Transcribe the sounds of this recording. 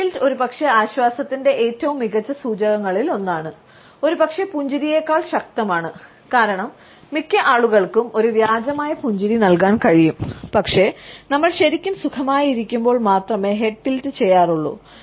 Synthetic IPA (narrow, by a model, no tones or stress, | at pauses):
ilo̞ɾupɐkʂe̞aːɕwaːsɐt̪ːinde̞ʔeːtːɐʋumːiɣɐt͡ɕːɐsuːd͡ʑɐɣɐŋːɐɭilo̞nːaːɳɨ | o̞ɾupɐkʂe̞puɲd͡ʑuɾije̞ːkːaːɭɕɐk̚t̪ɐmaːɳɨ | kaːɾɐɳɐmː | ikʲːɐʔaːɭuɣɐɭkumo̞ɾuʋjaːd͡ʑɐmaːjɐpuɲd͡ʑuɾinɐlkaːnkɐɻijumpɐkʂe̞nɐmːɐɭɕɐɾikʲːumsukʰɐmaːjiɾikʲːumbo̞ːɭmaːt̪rɐme̞ːɦe̞ʈːiltɨt͡ɕe̞jːaːruɭːṵ